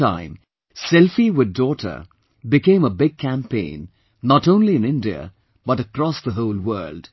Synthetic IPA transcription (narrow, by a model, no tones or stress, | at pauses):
ã̰ɪ̃m | sɛlˠfiwɪddɔɾʰə̰˞ | bɨkẽɪ̃məbɪɡ̚kʰæ̃mpʰḛ̃ɪ̃nː | ətõʊ̃nliɨ̃nɪ̃ndiə̰ | b̥ʌɾəkɾɔsðəɦoʊlˠwɜ̰˞ld̥